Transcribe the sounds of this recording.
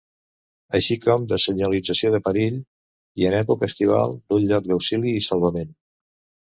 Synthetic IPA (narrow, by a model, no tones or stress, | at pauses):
əʃikɔmd̪əsəɲəlid͡zəsioðəpəɾiʎ | iənɛpukəəst̪iβ̞a̰lˠd̪unʎɔk̚d̪əwsiliːsəlˠβəmen